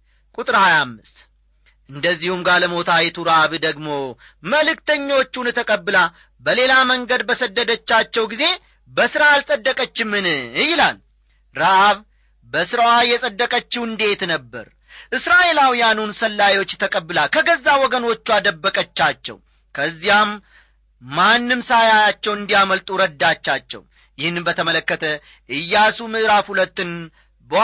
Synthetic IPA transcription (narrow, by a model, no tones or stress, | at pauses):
kʼut̪ʼɨɾhajamːɨst̪ | ʔɨnd̪əzːihumɡaləmo̞t̪ʰajt̪ʰuɾaʔaβd̪əɡmo̞ | məlɨkt̪əɲːo̞t͡ʃːunt̪ʰəkʼəbːɨla | bəle̞laməŋɡəd̪bəsəd̪ːəd̪ət͡ʃːat͡ʃːɛwɡize̞ | bəsɨɾaːlsʼəd̪ːəkʼət͡ʃːɪmːɨnɨjːɪlal | ɾaʔaβ | bəsɨɾəwajːɛsʼəd̪ːəkʼət͡ʃːɪwɨnd̪e̞t̪nəbːə̰ɾ | ʔɨsɾaʔe̞lawijanunsəlːajwo̞t͡ʃːt̪ʰəkʼəbːɨlalkʰəɡəzːawɔɡəno̞t͡ʃːuad̪əbːəkʼət͡ʃːat͡ʃːɛ̰w | kʰəzːijamː | anːɨmsajajat͡ʃːɛwɨnd̪ijaməlt̪ʼuɾəd̪ːat͡ʃːat͡ʃːɛ̰w | jɪhnːɨnbət̪ʰəmələkːət̪ʰə | ʔɨjːasumɨʔɾafhulət̪ːɨn | bə